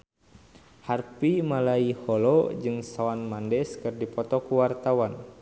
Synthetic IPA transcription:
harpimalaihɔlɔd͡ʒɨŋsaanmandɛskɨrdipɔt̪ɔkuwart̪awan

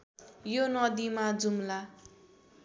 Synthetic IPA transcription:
jonʌd̪imad͡zumla

